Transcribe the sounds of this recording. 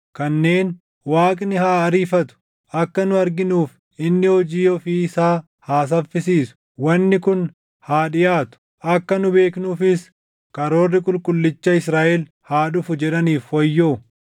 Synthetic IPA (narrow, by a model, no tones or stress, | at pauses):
kɐnːe̞ːn | waːkʼnɪhaːɐɾiːfɐt̪ʊ̥ | ʔɐkːɐnʊɐɾɡɪnuːf | ɪnːɪhɔd͡ʒiːjɔfiːɪsaː | haːs̬ɐfːɪsiːsʊ̥ | wɐnːɪkʊn | haːᶑɪjaːt̪ʊ̥ | ʔɐkːɐnʊbe̞ːknuːfɪs | kʼɐɾo̞ːrːɪkʼʊlkʼʊlːɪt͡ʃːɐɪsɾaːʔɛl | haːᶑʊfʊd͡ʒɛᶑɐniːfwɐjːoː